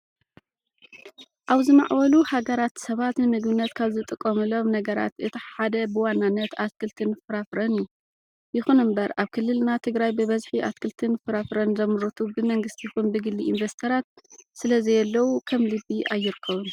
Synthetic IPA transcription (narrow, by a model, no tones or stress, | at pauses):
ʔaβzɨma̰ʕwɐluhaɡɐɾat̪sɐβat̪nɨmɨɡβɨnːɐt̪kʰaβzɨt̪ʼɨkʼːɐmɨlo̞mnɐɡɐɾa̰t̪ʔɨt̪ʰiħad̪ɐbɨwanːanːɐt̪askʰɨlt̪ʰɨnfɨɾafɾɐnɨjːu | jɪxunɨmbɐɾʔaβkʰɨlːɨlnat̪ʰɨɡɾajbɨβɐzħiʔaskɨlt̪ʰɨnfɨɾafɾɐnzɐmɨɾɨt̪ʰubɨmɐŋɡɨst̪ʰixunbɨɡɨlːiinvest̪ʰɐɾat̪̚sɨlɐzɐjɛlːɐwukʰɐmlɨbːiʔajːɪɾɨkʰːɐβɨn